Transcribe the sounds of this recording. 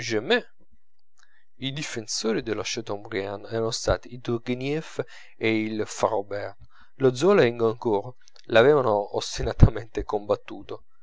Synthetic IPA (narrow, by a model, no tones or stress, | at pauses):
d͡ʒɛmːɛ | id̪ifensoːɾid̪eloʃɛt̪ombɾjanɛːɾanost̪a̰ːt̪iːt̪urɡinjɛf | eilfarobɛrt̪ | lod̪zːɔlaiŋɡaŋkoːɾo | lavɛːvanoost̪inat̪ʰament̪ekombat̪ːuːt̪o